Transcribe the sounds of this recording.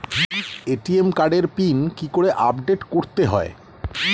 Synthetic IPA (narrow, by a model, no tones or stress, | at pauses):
eʈiemkaɖeɾpinkikoɽeʔabɖeʈkoɾt̪eɦɔ̰ḛ